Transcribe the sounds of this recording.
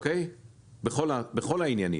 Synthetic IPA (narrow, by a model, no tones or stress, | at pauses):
kej | beχolabeχo̞lainjanḭ